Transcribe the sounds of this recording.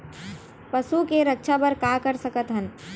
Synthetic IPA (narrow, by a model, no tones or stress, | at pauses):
pəsukeɾək̚t͡ʃʰapəɾkakəɾsəkət̪ɦən